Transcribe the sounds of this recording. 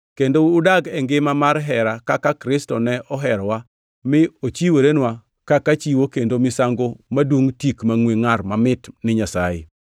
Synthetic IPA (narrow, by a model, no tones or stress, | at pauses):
kendoːdaɡɛŋɡɪmamaɾɦɛɾakakakɾɪstɔnɛʔɔɦɛɾwa | mɪot͡ʃiweɾenwa | kakat͡ʃiwokendomɪsaŋɡomadwoŋtikmaŋweŋarmamɪtnɪɲasa̰jḛ